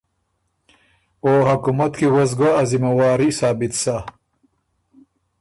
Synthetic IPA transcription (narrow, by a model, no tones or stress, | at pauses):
oːɦakumat̪kiɣozɡaɐzimɐwaːɾisaːbit̪sa